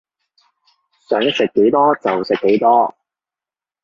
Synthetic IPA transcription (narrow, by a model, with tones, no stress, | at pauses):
sœː˨˥ŋjɐ˥t̚sɪ˨kːe˨˥jt̪ɔː˥t͡sɐ˨wsɪ˨kːe˨˥jt̪ɔː˥